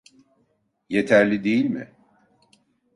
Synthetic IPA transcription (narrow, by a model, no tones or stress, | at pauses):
jet̪ʰæɾlʲid̪ejilʲmɪ̰